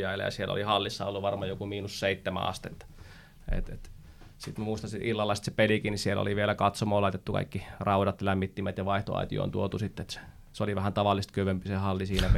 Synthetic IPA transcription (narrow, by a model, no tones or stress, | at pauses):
jɑilːɑ̰jɑ̰sielo̰lihɑlːisːɑolːuʋʋɑrmɑjokumiːnusseit̪ːæmæ̰ɑ̰st̪iḛt̪ː | ḛt̪ḛt̪ | sit̪mæmuist̪ɑnsit̪ʔilːɑlːɑst̪sepelikinisielo̰liʋielækɑt̪somoːlɑit̪et̪ːukɑ̰ikːirɑˑudɑt̪jlæmːit̪ːimæt̪jɑʋɑiht̪o̰ɑ̰it̪ḭo̰ːnt̪uot̪usit̪ːet̪se̥ | soliʋæhænt̪ɑʋɑlːˑist̪køʋømpisehɑlːisiːnæp